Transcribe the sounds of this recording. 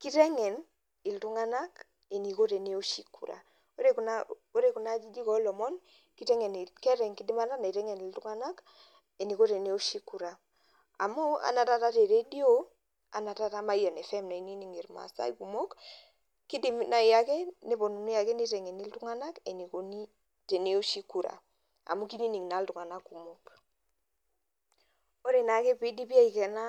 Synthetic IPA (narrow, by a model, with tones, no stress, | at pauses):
ki˦ɾe˦ŋɛ˨n | i˨ltu˦ŋa˦na˦k | e˨ni˨ko˦te˨ne˦o˦ʃi˦kṵ˨ɾa̰˨ | o˦ɾe˦kuna | o˦ɾe˦ku˨na˦d͡ʒi˦d͡ʒi˦kɔ˦lɔ˨mɔ˦n | ki˦te˦ŋe˨n˨kɛ˦ɾɛ˨ŋki˦di˦ma˦na˦na˨i˨ɾɛ˦ŋe˨ni˨ltu˦ŋa˦na˦k | e˨ni˨ko˦ɾe˨ne˦o˦ʃi˦ku˨ɾa˨ | a˨mo˦a̰˨na˨ta˦ta˦te˨ɾe˦di˦o˦ | a˨na˨ta˦ta˦ma˦ja˨ne˨fɛ˦mna˨i˦ni˦ni˦ŋi˨ɾma̰˨sa̰˦iku˨mo˦k | ki˦di˨mna˨i˨ja˨ke˦ne˦bo˨nu˨ni˦ja˨ke˦ni˦te˨ŋe˨ni˦ltu˦ŋa˦na˦ke˨ni˨ko˦ni | te˨ne˦o˦ʃi˦ku˨ɾa̰˨ | a̰˨mu˦ki˦ni˦ni˨ŋna˨˦ltu˨ŋa˨na˦ku˨mo˦k | o˦ɾe˨na˨˦ke˦pi˦di˦pi˦a˦i˨ke˨na˦